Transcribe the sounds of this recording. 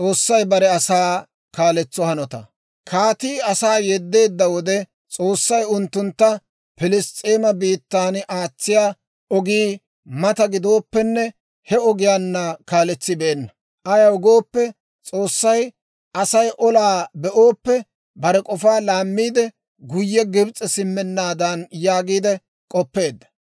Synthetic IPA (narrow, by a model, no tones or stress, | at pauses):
t͡sʼo̞ːsːɐjbɐɾɛɐsaː | kaːlɛt͡sːɔhɐnɔt̪ɐ̰ | kʰaːt̪iːɐsaːjɛd̪ːe̞ːd̪ːɐwɔd̪ɛ | t͡sʼoːsːɐjʊnt̪ːʊnt̪ːɐ | pɪlɪst̪ʼeːmɐbiːt̪ːaːnʔaːt͡sːɪjaː | ɔɡiː | mɐt̪ɐɡɪd̪o̞ːpːɛnːɛ | hɛɔɡɪjaːnːɐkaːlɛt͡sːɪbɛːnːɐ | ʔɐjɐɔɡo̞ːpːɛ | t͡sʼo̞ːsːɐj | ʔɐsɐjʔɔlaːbɛʔoːpːɛ | bɐɾɛkʼɔfaːlaːmːiːd̪ɛ | ɡʊjːɛɡɪbt͡sʼːɛsɪmːɛnːaːd̪ɐnjaːɡiːd̪ɛ | kʼɔpːe̞ːd̪ːɐ̥